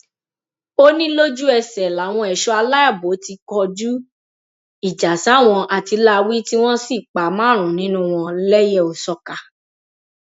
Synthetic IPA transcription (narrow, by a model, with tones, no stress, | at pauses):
o˦nĩ˦lo˦d͡ʒu˦ɛ˧˨sɛ˨la˨˦w̃ɔ̃˧ɛ˨ʃɔ˧˦a˧la˦a˦˨bo˨˦ti˧kɔ˧d͡ʒu˦ | i˦˨d͡ʒa˨sã˨˦˨w̃ɔ̃˧ʔa˨ti˧la˦˧wi˦ti˦w̃ɔ̃˦si˦˨k͡pa˨mãː˦˨ɾ̃ũ˨nĩ˨˦nũ˦w̃ɔ̃˧lɛ˦jɛ˦˨o˨sɔ˧ka˨